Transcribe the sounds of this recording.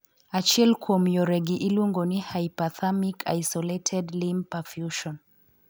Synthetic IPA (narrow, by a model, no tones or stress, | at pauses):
at͡ʃɛlkuɔmjɔɾɛɡiʔiluŋɡɔnihajipaθamikʰa̰jsɔletʰɛdlimpafjuʃɔn